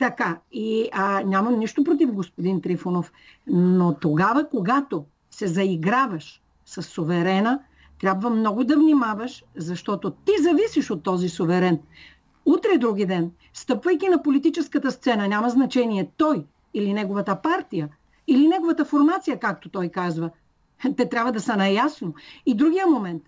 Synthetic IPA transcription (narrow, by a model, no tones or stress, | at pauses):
t̪ɐkainʲamɐmniʃt̪op̬ɾot̪̬ivɡospod̪int̪ɾifunof | not̪oɡavəkoɡat̪o | sɛzɐiɡɾavɐʃ | sɐsːovɛɾɛnə | t̪ɾʲabvɐmnɔɡʊd̪ɐvnimavɐʃzɐʃt̪ɔt̪ot̪izɐvisiʃot̪ːɔzisovɛɾɛn | ut̪ɾɛd̪ɾuɡ̟id̪ɛn | st̪ɤpvɐjk̟inɐpolit̪it͡ʃɛskət̪əst̪sɛnɐnʲamɐznɐt͡ʃɛniɛt̪ɔj | ilinɛɡovɐt̪əpaɾt̪ijə | ilinɛɡovɐt̪əfoɾmat̪sijəkak̚t̪ot̪ɔjkazvə | t̪ɛt̪ɾʲabvɐd̪ɐsɐnɐjasnoid̪ɾuɡʲijəmomɛnt̪